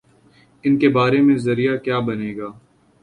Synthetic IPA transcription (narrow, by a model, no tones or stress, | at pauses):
ɪnkebaːɾemẽzɐɾijakjaːbɐneːɡaː